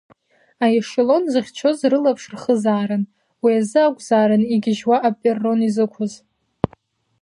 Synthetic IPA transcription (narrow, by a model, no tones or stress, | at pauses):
ajɪʂɪlo̞nzɨχʲt͡ʃʰo̞zrɨlapʰʂrχəzaːɾɨn | wiazɨakʷʼzaːɾɨniɡʲɪʒwaʔapʼerːo̞nizɨkʷʰʊz